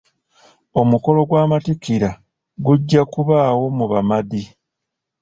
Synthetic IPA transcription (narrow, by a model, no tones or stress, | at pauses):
o̞muko̞lo̞ɡwaːmatikiɾa | ɡuɟːakuβaːwo̞muβamadi